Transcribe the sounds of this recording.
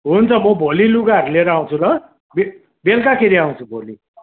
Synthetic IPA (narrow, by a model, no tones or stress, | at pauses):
ɦunt͡sʰʌmʌbʱoliluɡaʌɾuleɾʌaw̃t͡sʰulʌ | be | belkakʰeɾiaw̃t͡sʰubʱoli